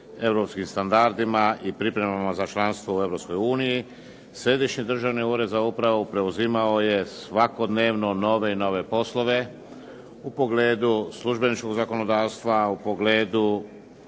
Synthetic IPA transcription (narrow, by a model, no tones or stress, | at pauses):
e̞ʋɾo̞pskimst̪and̪aɾd̪imaʔipɾipɾe̞mamazat͡ʃlˠanst̪ʋo̞ue̞vɾo̞psko̞juːniji | sɾe̞d̪iʃɲid̪r̩ʒaʋniuɾe̞d̪zaupɾaʋupɾe̞uzimao̞je̞sʋako̞d̪ne̞ːʋno̞no̞ʋe̞ino̞ʋe̞po̞slˠo̞ʋe̞ | upo̞ɡleːd̪usluʒbe̞nit͡ʃko̞ɡzako̞no̞d̪aːʋst̪ʋaupo̞ɡle̞ːd̪u